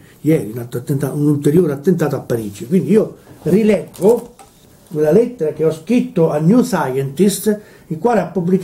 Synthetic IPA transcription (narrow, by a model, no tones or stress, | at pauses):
jɛːɾinat̪ːt̪ːent̪aunult̪eɾjoːɾat̪ːent̪aːt̪oapːaɾiːd͡ʒikwind̪iiːorilɛɡːʊ | kwelːalɛt̪ːeɾak̟eɔskɾit̪ːʊanjusajɛnt̪ist̪ | ilkːwaːleapːubːlik